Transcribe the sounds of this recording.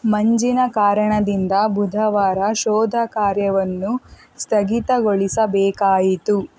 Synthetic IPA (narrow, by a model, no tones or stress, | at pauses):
mɐɲd͡ʒinɐkaːɾɐɳɐd̪ind̪ɐbud̪ʱɐʋaːɾɐʃɔːd̪ʱɐkaːɾjɐʋɐnːu | st̪ʰɐɡit̪ɐɡoɭisɐbɛːkaːjit̪u